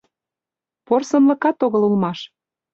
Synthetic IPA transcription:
porsɤ̆mlɤ̆kɑt̪oɣɤ̆lulmɑʃ

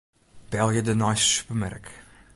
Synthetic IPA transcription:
b̥ɛlˠjədənɑjssy̥pəmɛ̰rk

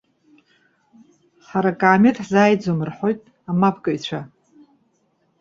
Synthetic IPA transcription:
ħaɾakʼaːmetħzaːjd͡zomɨrħo̞jtʼ | amapʰkʼɨjt͡ɕʷʰa

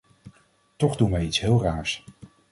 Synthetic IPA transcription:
tɔχdunʋɛjitsɦɪːlˠraːɹs

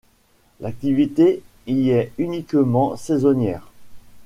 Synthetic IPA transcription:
lak̚t̪ivit̪e | iɛynikmɑ̃sɛzɔnjɛːʁ

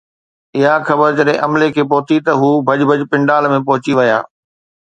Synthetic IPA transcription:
ɪɦaxɐbəɾd͡ʑɐɗɦẽʔɐmlekʰeːpɐɦʊt̪ʰit̪ɐɦuːbʱɐd͡ʑbʱɐd͡ʑpɪ̃ɳɖaːlmẽpɐɦʊt͡ɕiʋɐja̰ː

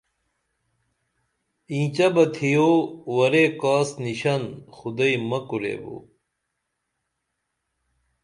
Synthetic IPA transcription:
ĩːt͡ɕɐbɐt̪ʰijoːwɐɾekaːsniɕɐnxud̪ɐimɐkuɾḛːbo̰ː

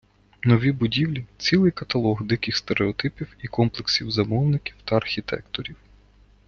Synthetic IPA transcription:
nɔʋʲibʊdʲiwlʲit͡sʲilˠɪjkɐt̪ɐlˠɔɣd̪ɪkɪxst̪eɾeɔt̪ɪpʲiwikɔmplˠeksʲiwzɐmɔwnɪkʲiwt̪ɐɐrxʲit̪ɛ̰kt̪ɔɾʲiw

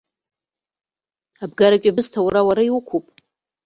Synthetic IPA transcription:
abɡaɾakʲʼabɨztʰawɾawaɾaiwukʷʰupʼ

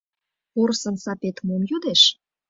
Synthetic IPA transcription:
porsə̆nsɑpet̪momjud̪eʃ

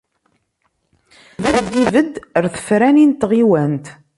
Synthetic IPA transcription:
væðd̪ivəd̪əɾθə̥fɾænint̪ːʁiwænt̪

